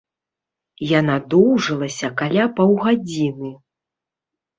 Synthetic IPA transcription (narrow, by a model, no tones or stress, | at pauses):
janad̪ɔwʐɨlˠɐsʲɐkalʲapawɣad͡zʲinɨ